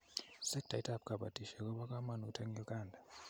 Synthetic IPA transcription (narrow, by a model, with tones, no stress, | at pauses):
sɛ˦k̚d̥a˨tʼa˦p̚kʼa˨ɓa˨d̥ʱi˨ʃa˨k̬ʼɔ˦ɓa˦k̬ʼa˦ma˦˨nu˨tʰa˦ŋɛ˦kʼaː˨ndʱa˨